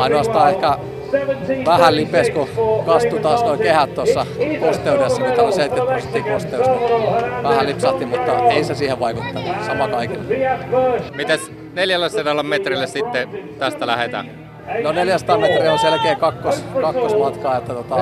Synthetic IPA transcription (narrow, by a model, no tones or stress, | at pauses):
ɑinoɑst̪ɑːehkæ | ʋæhællipeskukɑst̪ːut̪ɑːsnoikehæt̪t̪ːɑsːɑpost̪eudesːɑit̪ːæoseit̪ːeuset̪ːiːpost̪eusɑʋæhællipsɑht̪ːimmut̪ːɑ̰eˑisi̥t̪æsiːheʋʋɑikut̪ːɑnusɑmɑkɑikilːe | mit̪æs | neljælːeserɑlːɑmmet̪rilːessit̪ːet̪æst̪ælæhet̪æ̰ | noneljæst̪ɑːmmet̪rionselkeːkɑkːoskɑkːosmɑt̪kɑːet̪ːæt̪ot̪ɑ